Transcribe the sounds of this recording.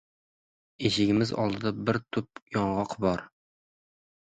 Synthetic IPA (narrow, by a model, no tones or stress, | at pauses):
eʃɪɡʲɪmɪzɒ̰lˠd̪ɨd̪abɪɾt̪ʰʊp̚jɒɴʁɑqʰbɒɾ